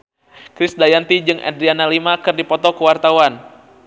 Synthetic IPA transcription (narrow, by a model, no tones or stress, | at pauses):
kɾisdajant̪id͡ʒɨŋʔɛ̰dɾianalimakɨrdipɔt̪ɔkəwart̪awan